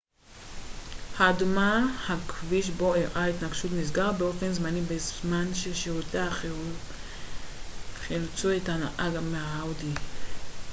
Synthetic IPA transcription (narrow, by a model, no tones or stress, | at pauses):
haːdumahakviʃ̬bo̞iʁʔait̪naɡʃut̪miz̬ɡaʁbeo̞fe̞nzmanibezmanʃeʃeua | χilut͡suethanaʔaɡamehaaudi